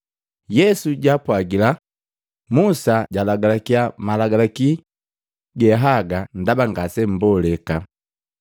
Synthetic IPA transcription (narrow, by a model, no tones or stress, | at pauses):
jɛsuɟapwaɡila | musaɟalaɡalakiamalaɡalaki | ɡɛɦaɡan̩dabaŋɡasɛm̩bɔlɛka